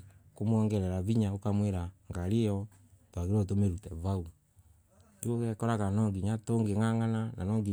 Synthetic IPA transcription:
komwɔŋɡɛɾɛɾaβiɲaokamweɾaŋɡaɾejɔ | twaɣeɾɔtomeɾutɛβau | iokɛkɔɾakanɔŋɡiɲatoŋɡeŋaŋanana̰nɔːŋɡi

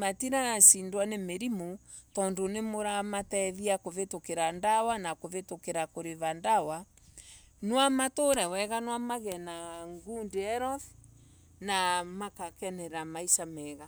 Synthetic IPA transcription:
matiɾasindwanemeɾimo | tɔndonemoɾamatɛðiakovetokeɾandawanakoβetokeɾakoɾeβandawa | nwamatoɾɛwɛɣanwamaɣɛnaŋɡundeɛɾɔθ | namakakɛnɛɾamaisamɛːɣa

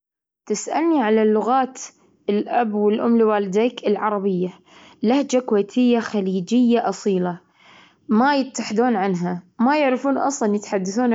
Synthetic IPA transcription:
t̪ɪsʔa̰lniʕalalːʊɣaːt̪ | ɪlʔabwɪlʔʊmːliwaːlɪd̪eːkɪlʕɑɾˤɑbɪjːa | lahd͡ʒakʊweːt̪ʰɪjːaxaliːd͡ʒɪjːaʔɑsˤiːla | majɪt̪ːaħɪd̪uːnʕanɦamajɪʕɾɪfuːnʔɑ̰sˤlɑnjɪt̪ħad̪ːaθuːn

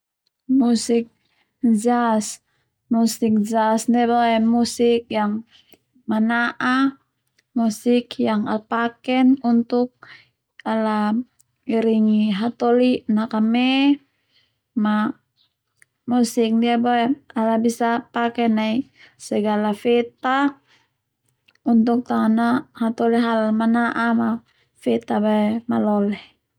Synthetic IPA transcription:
musik̚ | d͡ʒas | musik̚d͡ʒasdiaboɛmusik̚jaŋ | manaʔa | musikjaŋapakɛnunt̪uk̚ | ala | iɾiŋiɦat̪ɔlinakamɛ | ma | musik̚diabaɛalabisapakɛnai | sɛɡalafɛt̪a | unt̪uk̚t̪anahat̪ɔliɦalmanaʔama | fɛt̪abaɛmalɔlɛh

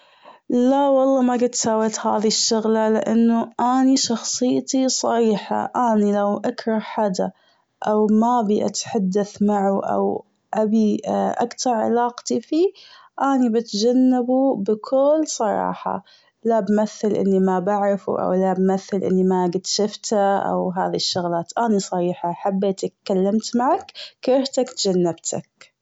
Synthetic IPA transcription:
lawɑlˤːɑːmaɡɪd̪̚t̪ːsawat̪haːðiʃːʊɣlalɪ̰ʔanːʊʔaːniʃɑxsˤɨjːt̪isˤɑɾiːħa̰ʔaːnilawʔakɾˤɑhħad̪a | ʔawmabiʔa̰t̪ħad̪ːaθmaʕuʔa̰w | ʔabiʔakt̪ɑɾˤʕɪ̰lɑːqt̪ifi | ʔanibɪt̪d͡ʒanːabubɪkʰʊlːsˤɑɾˤɑ̰ːħɑ̰ | labmaθːalʔɪ̰nːimabaʕɾɪfṵʔa̰wlabmaθːalʔɪ̰nːimaɡɪd̪ʃɪft̪aʔa̰wɦaːðiʃːʊɣlaːt̪ʔanisˤɑɾiːħaħabːet̪kalːamt̪maʕakkɪɾht̪akt̪d͡ʒanːabt̪ʰa̰k̚

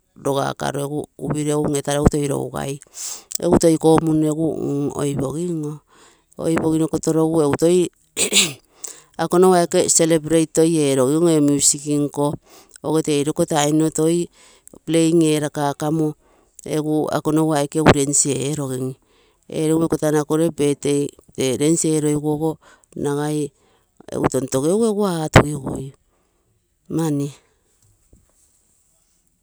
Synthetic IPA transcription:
ɾo̞ɡa̰ka̰ɾoeɡuuβiɾeŋetaɾeuto̞jɾo̰uɡa̰jḛuto̞jko̞muneɡuo̰jbo̞ɡiŋo | o̰jβo̞ɣinokoto̞ɾo̞ɡue̞uto̞j | akonowaekese̞lebɾejto̞je̞ːɾo̞ɡiŋoemusikiŋko̞ | oɣeteːjɾo̞koteajnoto̞j | ple̞jŋe̞ɾakakamo | eɡua̰konowaekeɡuɾe̞nsieeɾo̞ɡiŋ | ḛɾowmekotanakoɾe̞be̞tejteɾe̞nsieːɾo̞jɡoɡo̞ | naɡaj | ḛɡṵto̞nto̞ɡeɡueɡuatṵɡiɡo̰j | mani

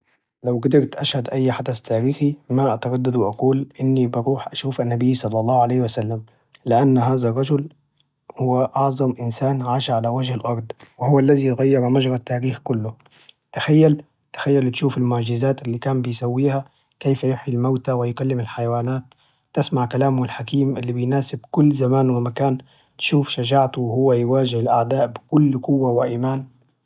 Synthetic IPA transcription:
lawɡad̪ɪɾt̪ʔaʃhad̪ʔajːħad̪ast̪ʰaːɾiːximaʔat̪ɑɾɑd̪ːad̪wɪʔaquːlʔɪnːibɑɾuːħʔaʃuːfʔanːabijːsˤɑlːɑlˤːɑːhʕalejːhwasalːam | lɪʔanːɦaːzarˤːɑd͡ʒʊl | hʊwːaʔɑʕzˤɑmʔɪnsaːnʕaːʃaʕalawad͡ʒhalʔɑɾˤd̪ˤwɪhʊwːalːazijɣajːɪɾmaʒɾat̪ːaːɾiːxkʊlːʊ | t̪axajːal | t̪ḁxajːalt̪ʃuːfɪlmʊʕʒɪzaːt̪ʔɪlːikaːnbɪjsawːiːha | keːfjʊħilmawt̪awɪjkalːɪmɪlħajawaːnaːt̪̚ː | ɪsmaʕkalaːmʊɪlħakiːmʔɪlːibɪjnaːsɪbkʊlːzamaːnwɪmakaːn | t̪ʃuːfʃad͡ʒaːʕt̪ʊhʊwːajwaːʒɪhɪlʔaʕd̪aːʔbɪkʊlːkʊwːawɪʔiːmaːn

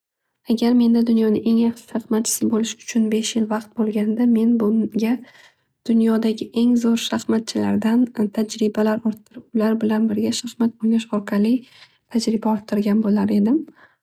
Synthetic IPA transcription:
aɡʲaɾme̞nd̪ad̪ʊnjɒnɪe̞ŋjɑχʃɪ̥ʃaχmat̪̚t͡ʃʰɪ̥sɪbolɪʃʊ̥t͡ʃʰʊnbe̞ʃjɪlvɑqt̪̚bolˠɡʲand̪ame̞nbʊɡʲa | d̪̥ʊnjɒd̪aɡʲɪʔe̞ŋzoɾʃaχmat̪̚t͡ʃʰɪla̰ɾd̪ant̪ʰad͡ʒɾɪbalaɾɒɾt̪ʰːɪɾɪpʊlaɾbɪlanbɪɾɡʲaʃahmat̪̚onʲaʃɒɾqʰɑlˠɪ | t̪ʰad͡ʒɾɪbaɒɾt̪ʰːɪɾɡʲanbolaɾe̞d̪ɪm

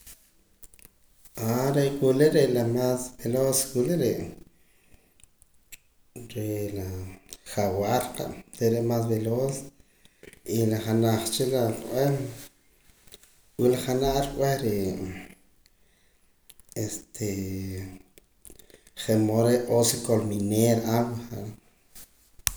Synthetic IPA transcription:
aɾeʔkʷileʔɾeʔlamasbeloskʷileʔɾeʔ | ɾeʔlaχawaɾqa̰ʔt̪eɾeʔmasbelos | ilaχanaχt͡ʃilaqʼw̰el | wilaχanaʔɾkʼwehɾe | est̪ʰe | χemoɾeʔʔosekolmineɾawχaʔɾa

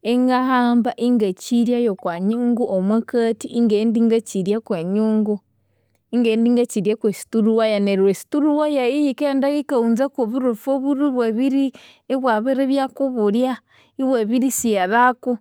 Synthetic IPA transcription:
eŋɡahaːmbaʔiŋɡaciɾjajokwaɲuːŋɡuʔomwakatiʔiŋɡendiŋɡat͡ʃiɾjakweɲuːŋɡu | iŋɡeːndiŋɡat͡ʃiɾjakwesi̥tuɾuwajaneɾwesi̥tuɾuwajaijikendaɣikauːnzakoβuɾufoβuɾiβwaβiɾi | eβwaβeɾeβjakuβuɾja | iβwaβiɾisijaðaku

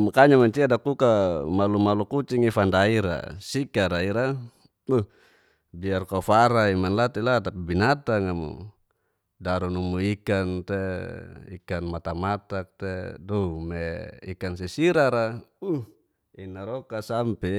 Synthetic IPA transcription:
makaɲamaɲt͡ʃiadakukamalumalukut͡ʃiŋifandaiɾa̰sikaɾaiɾa | uh | biarkafaɾaimanlat̪ilat̪apibinat̪aŋamṵ | daɾunumuikant̪eḭkanmat̪amat̪ak̚t̪edomeḭkansɛsiɾaɾauh | inaɾɔkasampɛ

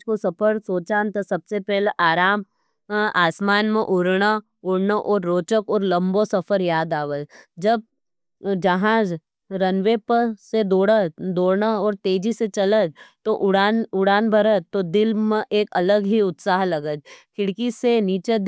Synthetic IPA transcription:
kosɐpʰəɾsoːt͡ʃaːnt̪ɐsɐbsepɛɦleʔaːɾaːm | aːsmaːnmẽʔʊɾɳa | ʊɽnaʔɔːɾːoːt͡ʃəkɔːɾlɐ̃mbosɐfʰəɾjaːd̪aːʋəd͡ʒd͡ʒɐb̚ | d͡ʒɐɦaːd͡ʒ | ɾɐnʋepəsed̪oːɽəd̪oːɽnaɔːɾt̪eːd͡ʒiset͡ʃɐləd͡ʒt̪oʔʊɽaːnʊɽaːnbʱɐɾət̪od̪ɪlmẽʔeːkɐləɡɦiʊt̪saːɦlɐɡəd͡ʒkʰɪɽkiseniːt͡ʃed̪

